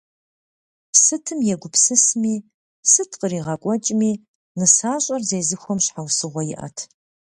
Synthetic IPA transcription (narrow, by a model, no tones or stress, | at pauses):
sɨtʰɨmjɛɡʷʊpsɨsmiː | sɨtʰqʼəɾiːʁɐkʷʼɔt͡ʃʼmiː | nɨsaːɕʼɐrzeːzɨxʷɔmɕħawsɨʁʷɔjɪ̰ʔɐ̰tʰ